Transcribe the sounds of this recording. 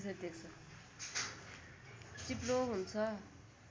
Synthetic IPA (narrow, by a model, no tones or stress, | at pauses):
sʰʌd̪ek̚t͡sʰʌ | t͡siploɦunt͡sʰʌ